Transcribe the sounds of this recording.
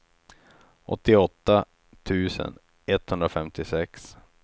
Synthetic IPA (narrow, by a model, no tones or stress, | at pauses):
ʔɔ̰t̪ːɪɔt̪ːa | t̪ʰʉ̟ːsə̰n | ɛt̪ːhɵnd̪ɾafɛmt̪ɪsɛks